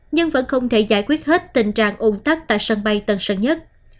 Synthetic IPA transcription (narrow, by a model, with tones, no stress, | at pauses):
ɲɨ˧ŋvə̰˧˥nxə˧wŋ͡mt̪ʰe˧˩zaː˧˩jkwi˦˥ət̚he˦˥t̚t̪ï˨˩ŋ̟t͡ɕa̰ː˧˨ŋʔo˧˩nt̪a˦˥k̚t̪a̰ː˧˨jsə˧nɓa˧jt̪ə˨˧˩nsə̰˧˩nɲə˦˥t̚